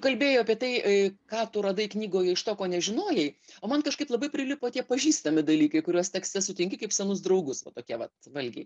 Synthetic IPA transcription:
kɐlʲbʲeːjoːɐpʲiɛt̪ɐɪkɑːt̪ʊɾɐd̪ɐɪknʲiːɡoːjɛɪʃt̪oːkoːnʲɛʒʲɪnoːjɛɪoːmɐnkɐʃkɐɪplˠɐbɐɪpʲɾʲɪlʲɪpoːt̪ʲiɛpɐʒʲiːst̪ɐmʲɪd̪ɐlʲiːkɐɪkʊɾʲuɔst̪ʲɛksʲt̪ʲɛsʊt̪ʲɪŋʲkʲɪkɐɪpsʲɛnʊsd̪rɐʊɡʊsʋɐt̪oːkʲiɛʋɐt̪ʋɐlʲɡʲḛɪ

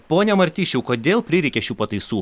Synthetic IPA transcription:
poːnʲɛmɐɾʲt̪ʲiːʃʲuʊkoːd̪ʲeːlˠpʲɾʲɪɾʲɛɪkʲɛʃʲuːpɐt̪ɐɪsuː

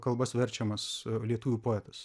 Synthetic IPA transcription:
kɐlˠbɐsʋʲɛɾʲt͡ʃʲɛmɐslʲiɛt̪uːʋʲupoːɛt̪ɐs

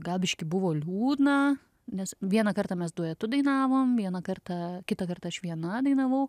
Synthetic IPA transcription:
ɡɑːlˠʲbʲɪʃʲkʲɪbʊʋoːlʲuːd̪nɐ | nʲɛsʋʲiɛnɐkɐrt̪ɑːmʲɛsd̪uɔjɛt̪ʊd̪ɐɪnɑːʋoːmʋʲiɛnɐkɐrt̪ɐkʲɪt̪ɐkɐrt̪ɐɐʃʋʲiɛnɐd̪ɐɪnɐʋɐʊ

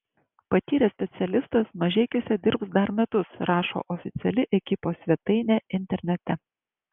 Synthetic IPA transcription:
pɐt̪ʲiːɾʲɛsʲpʲɛt̪sʲɛlʲɪst̪ɐsmɐʒʲɛɪkʲosʲɛd̪ʲɪɾpsd̪ɐɾmʲɛt̪ʊsɾɑːʃo̰ːʔɔfʲɪt̪sʲɛlʲɪʔɛkʲɪpoːsʲʋʲɛt̪ɐɪnʲeːɪnʲt̪ʲɛɾʲnʲɛt̪ʲɛ

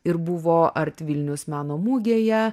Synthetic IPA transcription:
ɪɾbʊʋoːʔɐɾʲt̪ʲʋʲɪlʲnʲʊsmʲæːnoːmuːɡʲeːjɛ

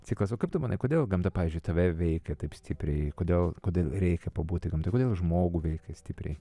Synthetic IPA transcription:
t͡sʲiːklˠɐsokɐɪpt̪ʊmɐnɐɪkoːd̪ʲeːlˠɡɐmt̪ɐpɑːʋʲiːzʲd͡ʒʊɪt̪ɐʋʲɛʋʲɛɪkʲɛt̪ɐɪpsʲt̪ʲɪpʲɾʲɛɪkoːd̪ʲeːlˠkoːd̪ʲeːlˠɾʲɛɪkʲɛpɐbuːt̪ʲɪɡɐmt̪ɐɪkoːd̪ʲeːlˠʒmoːɡuːʋʲɛɪkɐsʲt̪ʲɪpʲɾʲɛ̰ɪ

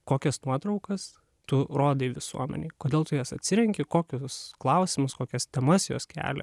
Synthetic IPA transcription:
koːkʲɛsnuɔt̪ɾɐʊkɐs | t̪ʊɾoːd̪ɐiʋʲɪsṵɔmʲɛ̰nʲɛːkoːdʲeːlˠt̪ʊjɛsɐt̪ʲsʲɪɾʲɛŋʲkʲɪkoːkʲʊsklˠɐʊsʲɪmʊskoːkʲɛst̪ʲɛmɐsjo̰ːskʲæ̰ːlʲɛ̰

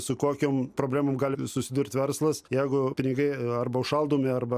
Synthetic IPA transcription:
sʊkoːkʲoːmpɾoːbʲlʲæːmoːmɡɑːlʲɪsʊsʲɪd̪uɾʲrʲt̪ʲʋʲɛrslˠɐsjɛɪɡʊpʲɪnʲɪɡɐɪɐrbɐʊʃɐlˠd̪oːmʲɪɐrbɐ

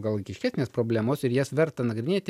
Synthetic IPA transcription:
ɡɐlˠʋɐɪkʲɪʃʲkʲæːsnʲeːspɾoːbʲlʲæːmoːsɪɾjɛsʋʲɛɾt̪ɐnɐɡɾʲɪnʲeːt̪ʲɪ

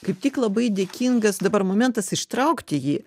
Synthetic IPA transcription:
kɐɪp̚t̪ʲɪklˠɐbɐɪd̪ʲekʲiŋɡɐsd̪ɐbɐrmoːmʲɛnt̪ɐsɪʃt̪ɾɐʊkt̪ʲɪjiː

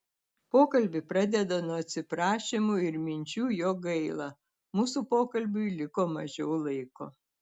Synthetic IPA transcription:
poːkɐlʲbʲɪpɾɑd̪ʲɛd̪ɐnuɐt̪ʲsʲɪpɾɑːʃʲɪmuɪɾmʲɪnʲt͡ʃʲuːjoːɡɐɪlˠɑ | muːsupoːkɐlʲbʲʊɪlʲɪkoːmɐʒʲɛʊlˠɐɪko̰ː

